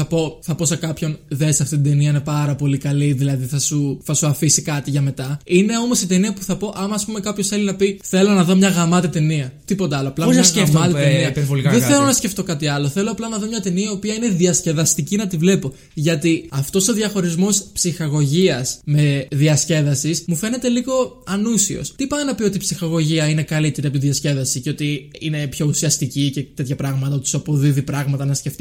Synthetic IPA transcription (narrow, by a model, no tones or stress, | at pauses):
θɐpo̞θɐpo̞se̞kɐpço̞nðesɐft̪it̪id̪eniɐinepɐɾɐpo̞likɐliðilɐðiθɐsuθɐsuɐfisikɐt̪iʝɐme̞t̪ɐine̞o̞mo̞sit̪e̞niɐpu̥θɐpo̞ʔɐmɐːspume̞kɐpçosθe̞linɐpiθe̞lo̞nɐðo̞mɲɐɣɐmɐt̪it̪eniɐt̪ipo̞t̪eɐloɐplɐoɐsefmɐt̪et̪eniɐpeɾvolikɐðeθelo̞nɐsce̞ft̪o̞kɐt̪iɐlo̞θe̞loɐplɐnɐðo̞mɲɐt̪eniɐiopiɐine̞ðiɐsce̞ðɐst̪icinɐt̪ivle̞po̞ | ʝɐt̪iɐft̪o̞so̞ðʝɐxo̞ɾizmo̞spsixɐɣo̞ʝiɐsme̞ðiɐsce̞ðɐsismufe̞ne̞t̪e̞liɣo̞ɐnusio̞̰st̪ipɐɐnɐpio̞t̪ipsixɐɣo̞ʝiɐine̞kɐlit̪e̞ɾiɐpot̪iðiɐsce̞ðɐsice̞o̞t̪iine̞pço̞usiɐst̪icicet̪e̞t̪çɐpɾɐɣmɐt̪ɐot̪i̥sɐpoðiðipɾɐɣmɐt̪ɐnɐsce̞ft̪i